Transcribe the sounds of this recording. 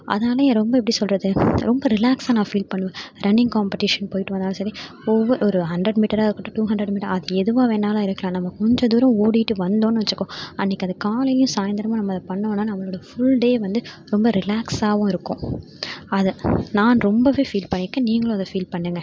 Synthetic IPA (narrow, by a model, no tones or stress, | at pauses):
ʔɐ̰ðɐnaːlɐjẽːɾɔmbɐɛp̬ːɐɽisɔlrɐðɯɾɔmbɐɾɪlaːksaːnãːfiːlpɐɳːɯʋẽɾʔɐnɪŋɡkaːmpɪʈɪʂɐnpoːjɪʈːɯʋɐnd̪aːlɐ̃sɐɾi | ɔʋːɐɾɔɾɯɦɐɳɖɾɐɖmiːʈɐɾaːɪɾɯkːɯʈːɯʈuːɦɐɳɖɾɐɽmiːʈːɐɾɐðɯɛðɯʋãːʋeɛːnːaːlãːɪɾɯkːɐlãːnɐmːɐkɔɲd͡ʒɐ̃d̪uːɾɐ̃moːɽɪʈːɯʋɐnd̪õːnːɯʋɐt͡ʃːɯkːõɐnːɪkːɐðɯkaːlɪlɪjʊ̃saːjɐnd̪ɐɾɐmaːnɐmːɐɐðɐpɐɳːonːaːnɐʋɐɭoːɽɐɐfʊɭɖeːʋɐnd̪ɯ | ɾɔmbɐɾɪlaːksaːʋʊ̃ɪɾɯkːõ | ɐðɯnaːnɾɔmbɐʋeːfiːlpɐɳːɪkːɐ̃niːŋɡɐɭõɐðɐfiːlpɐɳːeːŋɡɐ